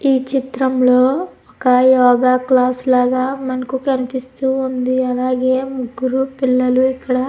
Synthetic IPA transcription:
iːt͡ʃit̪ɾɐmlo̞ːɔkɐjɔːɡaːklaːslaːɡaːmɐnɐkukɐnipist̪uːund̪iɐlaːɡe̞ːmuɡːuɾupilːɐluikːɐɽɐ

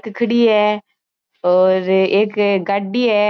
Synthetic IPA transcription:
kkʰəɽiːɦɛː | ɔːɾeːkɡaɖːiːɛː

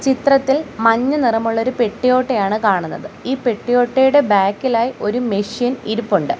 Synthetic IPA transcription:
t͡ɕit̪rɐt̪ːilmɐɲːɐnirɐmuɭːo̞ɾupe̞ʈːijo̞ːʈːejaːɳɨkaːɳunːɐðɨiːpe̞ʈːijo̞ːʈːejuɽe̞baːkːilaːjiʔo̞ɾumeʂjɐniɾupːuɳɖɨ

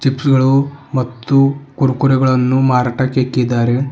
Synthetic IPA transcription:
t͡ʃipsɡɐɭumɐt̪ːukuɾukuɾeɡɐɭɐnːumaːɾaːʈɐkːekːid̪aːɾe

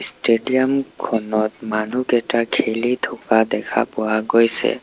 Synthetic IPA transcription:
sʈeɖiɔmkʰɔnɔt̪manukɛʈakʰelit̪ʰɔkad̪ɛkʰa̰pɔaɡɔjsɛ̰

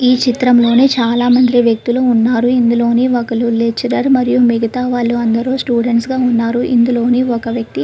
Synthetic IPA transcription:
iːt͡ʃit̪ɾɐmlo̞ːneːt͡ʃaːlaːmɐnd̪iʋjɐk̚t̪iluunːaːɾuind̪ulo̞ːneːɔkɐlulet͡ʃːɐɾɐɾmɐɾijumiɡɐt̪aːʋaːɭːuɐnd̪ɐɾoːsʈjuːɖeɳʈsɡaːunːaːɾuʔḭnd̪ulo̞ːneːɔkɐʋjɐk̚t̪i

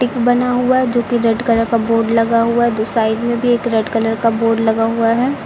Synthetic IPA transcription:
ʈɪkbɐnaɦuaɦɛd͡ʒoːkiɾɐɖkələɾkaboːɾɖlɐɡaɦuaɦɛd̪oːsaːɪɖmẽbʱieːkɾɐɖkələɾkaboːɾɖlɐɡaɦuaɦɛː

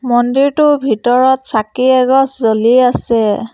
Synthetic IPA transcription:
mɔndiɹtʊbʱitɔɹɔtsakiɛɡɔszoliasɛ

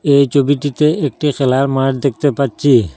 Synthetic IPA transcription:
ejt͡ʃʰobiʈit̪eek̚ʈixʰɛlaɾmaʈd̪ek̚t̪epatt͡ʃʰi

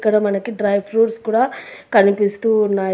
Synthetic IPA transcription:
kːɐɽɐmɐnɐkiɖɾɐjʋɾuːɾskuːɽaːkɐnipist̪uːnːaː

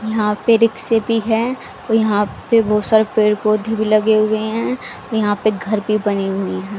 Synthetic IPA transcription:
jɐɦãpeɾɪkseːpiɦɛ | ojɐɦãpebʱɔːt̪saːɾepeːɾkoːd̪ʱibʱilɐɡeɦʊeɦɛ̃ | jɐɦãpeɡʱɐɾbʱibɐniɦʊeɦɛ̃ː

